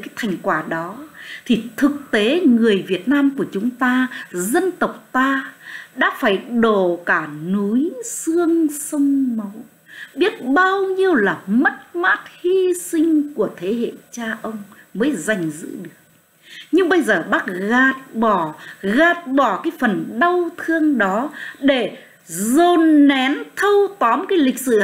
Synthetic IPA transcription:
kaː˨˦jt̪ʰa˨˩jŋ̟kwaː˧˩ɗɔ˨˦t̪ʰi˨˩t̪ʰɨ˨˩k̚t̪e˨˦ŋɨ˨˩əjvi˨˩ət̚naː˧mku˧˩ət͡ɕʊ˨˦ŋ͡mt̪aː˧zə˧nt̪ə˨˩wk͡p̚t̪aː˧ɗa̰ː˧˥faː˧˩jɗo˧˩kaː˧˩nu˨˦jsɨ˧əŋsə˧wŋ͡mma˨˦w | ɓi˦˥ət̚ɓaː˧wɲi˧əwlaː˨˩mə˦˥t̚ma˦˥t̚hi˧sï˧ŋ̟ku˧˩ət̪ʰe˨˦ɦḛ˧˨t͡ɕaː˧ʔə˧wŋ͡mməː˨˦jza˨˩jŋ̟zɨ̰˧˥ɗɨ˨˩ək̚ | ɲɨ˧ŋɓə˧jzəː˨˩ɓaː˦˥k̚ɣaː˨˩t̚ɓɔ˧˩ɣaː˨˩t̚ɓɔ˧˩kaː˨˦jfə˨˩nɗa˧wt̪ʰɨ˧əŋɗɔ˨˦ɗe˧˩ | zo˧nːɛ˨˦nt̪ʰə˧wt̪ɔ˨˦mkaː˨˦jlï˨˩k̟̚sɨ̰˧˩

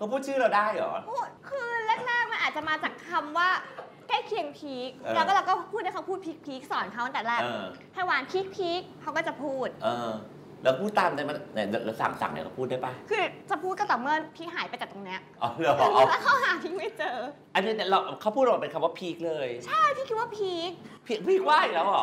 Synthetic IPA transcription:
kʰa˧˥˩pʰuː˥˩t̪̚t͡ɕʰɯː˥˩ɾa˧wdaː˥˩jʔɔ̰ː˩˦ʔoː˦˧˩kʰɯː˧lɛ˥˩k̚nɛː˥˩k̚ma˧nʔaː˨˩t̪̚t͡ɕa˨˩maː˧t͡ɕaː˨˩kʰːa˧mwaː˥˩ | kaː˥˩jkʰi˧əŋpʰi˦˥k̚ːlɛ˦˥kɔː˥˩la˧wkɔː˥˩pʰuː˥˩da˥˩kʰwpʰuː˥˩t̪̚pʰiː˦˥k̚pʰi˦˥k̚sɔː˨˩˦nkʰa˦˥w̪a˧˩t̪ɛː˨˩ɾɛː˥˩kː | t̪ʰaː˧˥˩waː˨˦npʰiː˦˥k̚pʰi˦˥k̚ʰːa˦wkɔː˥˩t͡ɕa˨˩pʰuː˥˩t̪̚ʔɤː˧ | lɛː˦˥kpʰuː˥˩t̪ːaː˧mna˧˩ma˧nna˧˩llsa̰˨˩˦ŋsa̰˨˦ŋnḭ˧˩kɔ˧˥˩pʰuː˥˩da˥˩jpa˧˩jkʰɯː˧t͡ɕa˨˩pʰu˥˩ka˥˩t̪ɔː˨˩mɯ˥˩ənpʰi˦˥k̚ɦaː˨˩˦jpa˧jt͡ɕa˨˩t̪o˧ŋni˦˥ɐʔɔ˧˩lɯ˧˦˧laː˦˥kʰa˦˥wɦaː˨˩˦pʰiː˦˥k̚ma˥˩jt͡ɕɤː˧ | ʔa˧ni˧˩n˧˩la˧wʔkʰa˦˥wpʰuː˥˩˨pe˧nkʰa˧mwaː˥˩pʰiː˦˥k̚lɤː˧jt͡ɕʰa˥˩jt̪ʰi˥˩kʰi˦˥waː˥˩pʰi˦˥k̚pʰiː˦˥k̚pʰiː˦˥k̚waː˥˩ji˨˩lɛː˦˥w

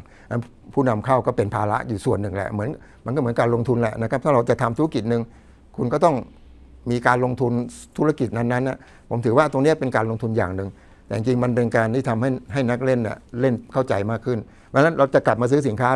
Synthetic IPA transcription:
ʔa˦˥ | pʰuː˥˩na˧mkʰa˥˩wkɔː˥˩pe˧npʰaː˧la̰˦˥ʔjuː˨˩su˨˩ənːɯ˨˩ŋlɛ̰˨˩mɯ˩˦ən | ma˧nkɔː˥˩m˩˦nkaː˧nlo˧ŋt̪ʰu˧nlɛ̰˨ʔna˦˥k̚ʰt̪ʰa˥˩ɾa˧wt͡ɕa˨˩ʔt̪ʰa˧mt̪ʰu˦˥˧ki˨˩t̪̚nɯ˨˧ŋ | kʰu˧nkɔː˥˩t̪ɔ˥˩ŋ | miː˧kaː˧nlo˧ŋt̪ʰu˧nt̪ʰu˦˥a˧˩ki˨˩t̪̚na˧nːa˦˥nʔːa˧˩ | pʰo̰˩˦mt̪ʰɯː˩˦waː˥˩t̪o˧ŋni˦˥ɐ˦pe˧nkaː˧nlo˧ŋt̪ʰu˧njaː˨˩ŋnɯ˨˩ŋ | t̪ɛː˨˩t͡ɕi˧ŋt͡ɕi˧ŋma˧npe˧nkaː˧nt̪ʰiː˥˩t̪ʰa˧mha˥˩jɦa˥˩jna˦˥k̚le˥˩nːḭ˨˩le˥˩nkʰa˥˩wt͡ɕa˧jmaː˥˩kʰːɯ˥˩n | pʰa˧˥na˦˥nɾa˧wt͡ɕa˨˩kla˨˩p̚maː˧s̬ɯː˦˥s̬i˩˦nkʰaː˦˥

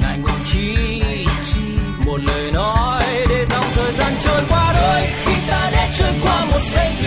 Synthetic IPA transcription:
na̰˨˩jŋ̟ʔt͡ɕi˧ | t͡ɕi˧ | mo˨˩t̚ləː˨˩jnɔ˨˦jɗe˧˩za˨˧˩wŋ͡mt̪ʰəː˨˩jzaː˧nt͡ɕəː˧jkwaː˧ɗəː˧˩jki˨˦t̪aː˧˥ɗa̰˧˥t͡ɕəː˧jkwaː˧˦mo˨˩t̚zə˧j

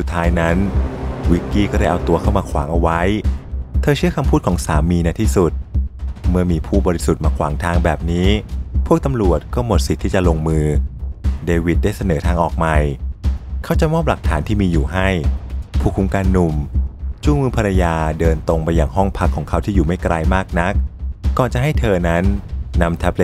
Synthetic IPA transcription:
su˨˩t̪ʰːaː˦˥jna˦˥nwi˦˥kːiː˥˩kɔː˥˩ɾa˥˩ʔa˧wt̪u˧ɐkʰa˥˩wmaː˧kʰwa̰ː˩˦ŋʔa˧wa˦˥jt̪ʰɤː˧t͡ɕʰɯ˥˩ɐkʰa˧mpʰuː˥˩kʰɔː˩˦ŋsaː˩˦mːiː˧na˧t̪ʰiː˥˩su˨˩t̪̚mɯ˥˩ɐmiː˧pʰuː˥˩bɔː˧ɾi˦˥su˨˩maː˧kʰwaː˩˦ŋt̪ʰaː˧ŋbɛː˨˩p̚niː˦˥pʰu˥ək̚t̪a˧mɾu˨˩ət̪̚kɔː˥˩mo˨˩t̪̚si˨˩t̪ʰːiː˥˩t͡ɕa˨˩lo˧ŋmɯː˧ | deː˧wi˨˩t̪̚da˥˩jsa˧nɤː˩˦t̪ʰaː˧ŋʔɔː˨˩k̚ma˧j | kʰa˦˥wt͡ɕa˨˩mɔː˥˩p̚la˨˩k̚t̪ʰaː˩˦nt̪ʰiː˥˩miː˧juː˨˩ɦa˥˩jpʰuː˥˩kʰu˧mkaː˧nːu˨˩mt͡ɕu˥˩ŋmɯː˧pʰaː˧ɾa˧jaː˧dɤː˧nt̪o˧ŋpa˧jːaː˨˩ŋɦɔ˥˩ŋpʰa˦˥kʰːɔː˩˦ŋkʰa˦˥˩wt̪ʰiː˥˩juː˨˩ma˥˩jkɾaː˧jmaː˥˩k̚na˦˥k̚ːɔː˨˩nt͡ɕa˨˩ɦa˥˩jt̪ʰɤː˧na˦˥nːa˧mt̪ʰa˦˥p̚le˦

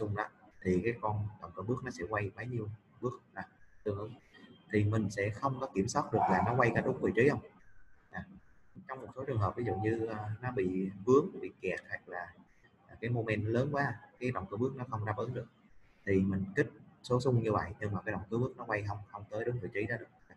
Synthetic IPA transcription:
sʊ˧ŋ͡mɗa˨˦t̪ʰi˨˩kaː˨˦jkɔ˧nɗə̰˧˨wŋ͡mkɨ̰˧˩ɓɨ˦˥ək̚nɔ˨˦sɛ̰˧˥kwa˧jɓa˨˦jɲi˧əw | ɓɨ˦˥ək̚ʔaː˨˩t̪ɨ˨˩əŋʔɨ˧˨˦ŋt̪ʰi˨˩mï˨˩ŋ̟sɛ̰˧˥xə˧wŋ͡mkɔ˨˦ki˧˩əmswaː˦˥t̚ɗɨ˨˩ək̚laː˨˩nɔ˨˦kwa˧jkaː˨˦ɗʊ˨˦ŋ͡mvɨ˨˩t͡ɕi˨˦hə˧wŋ͡mʔaː˨˩ | t͡ɕɔ˧wŋ͡mmo˨˩t̚so˨˦t͡ɕɨ˨˩ŋɦəː˨˩p̚vi˨˦zṵ˧˨ɲɨː˧˨˩nɔ˨˦ɓḭ˧˨vɨ˨˦əŋɓḭ˧˨kɛ˨˩t̚ha˨˩jk̚laː˨˩˨ | kaː˨˦jmo˧me˧nːɔ˨˦ləː˨˦nkwaː˨˦kaː˨˦jɗɔ̰˧˨wŋ͡mkɨ̰ː˧˩ɓɨ˦˥k̚nɔ˨˦xə˧wŋ͡mzaː˧ɓəː˨˦nɗɨ˨˩ək̚ | t̪ʰi˨˩mï˨˩ŋ̟kï˦˥k̟̚so˨˦sʊ˧ŋ͡mɲɨ˧və̰˧˨jɲɨ˧ŋmaː˨˩kaː˨˦ɗ̰ŋ͡mkɨː˨˦ɓɨ˦˥ək̚nɔ˨˦kwa˧jɦə˧wŋ͡mxə˧wŋ͡mt̪əː˨˦jɗʊ˨˦ŋ͡mvɨ˨˩jt͡ɕi˨˦zaː˨˦ɗɨ˨˩ək̚

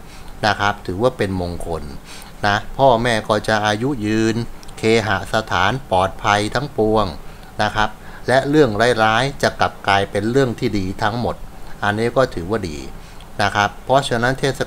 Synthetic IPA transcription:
na˦˥kʰa˦˥p̚t̪ʰɯː˩˦waː˥˩pe˧nmo˧ŋkʰo˧nː | a˦˥pʰɔː˥˩mɛː˥˩kɔː˥˩t͡ɕa˨˩ʔaː˧ju˦˥jɯː˧nkʰeː˧ɦa˨˩sa˧t̪ʰaː˩˦npɔː˨˩t̪̚pʰa˧jt̪ʰa˦˥ŋpu˧əŋ | na˦˥kʰɾa˦˥p̚lɛ˦˥ʔɾɯ˥˩əŋɾaː˦˥jɾaː˦˥jt͡ɕa˨˩ka˨˩p̚klaː˧jpe˧nɾɯ˥˩əŋt̪ʰiː˥˩diː˧t̪ʰa˦˥ŋmo˨˩t̪̚ʔa˧nːiː˦˥kɔː˥˩t̪ʰɯː˩˦waː˥˩dḭː˧ | na˦˥kʰɾa˦˥pʰːɔ˦˥t͡ɕʰa˧na˦˥nt̪ʰeː˥˩t̪̚sa˧

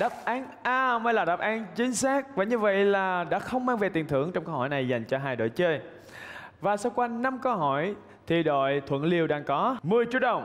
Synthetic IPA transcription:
ɗa˨˦˥p̚ʔaː˨˦nʔaː˧˩mə˧jlaː˨˩ɗa˨˦˩p̚ʔaː˨˦nt͡ɕï˨˦ŋ̟saː˦˥k̚vaː˨˩ɲɨ˧və̰˧˨jlaː˨˩ɗa̰ː˧˥xə˧wŋ͡mmaː˧ŋve˨˩t̪i˨˩ənt̪ʰɨ˧˩˨əŋt͡ɕɔ˧wŋ͡mkə˧whɔ̰˧˩jna˨˩jza˨˩jŋ̟t͡ɕɔ˧ɦaː˧˩jɗo̰˧˨jt͡ɕəː˧j | vaː˨˩sa˧wkwaː˧na˧mkə˧wɦɔ˧˩j | t̪ʰi˨˩ɗo̰˧˨jt̪ʰwə̰˧˨nli˧əwɗaː˧ŋkɔ˨˦mɨ˨˩əjt͡ɕu˦˥ət̚ɗə˨˩wŋ͡m

